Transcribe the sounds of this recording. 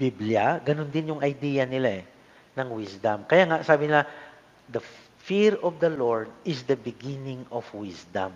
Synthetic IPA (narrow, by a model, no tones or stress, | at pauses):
bibljaɡɐnond̪ɪnjʊŋɐjd̪iːjɐnɪlaɛ | nɐŋwisd̪ɐmkɐjaːŋaʔsaːbɪnɪla | d̪ɐ | fiɹɔfd̪ɐloɹd̪̚ɪsd̪ɐbɪɡinɪŋɔfwɪsd̪ɐ̰m